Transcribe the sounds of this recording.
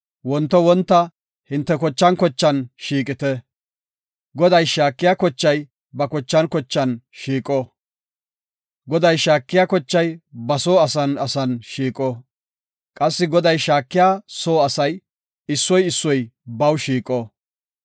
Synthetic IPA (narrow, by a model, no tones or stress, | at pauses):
wɔnt̪ːɔwɔnt̪ːɐ | hɪnt̪ːɛkɔt͡ʃːɐnkɔt͡ʃːɐnʃiːkʼɪt̪ɛ | ɡɔd̪ɐjʃaːkːɪjaːkɔt͡ʃːɐj | bɐkɔt͡ʃːɐnkɔt͡ʃːɐnʃiːkʼɔ | ɡɔd̪ɐjʃaːkːɪjaːkɔt͡ʃːɐjbɐsoːɐsɐnɐsɐnʃiːkʼɔ | kʼɐsːɪɡɔd̪ɐjʃaːkːɪjaːsoːɐsɐj | ɪsːɔjɪsːɔjbɐwʃiːkʼɔ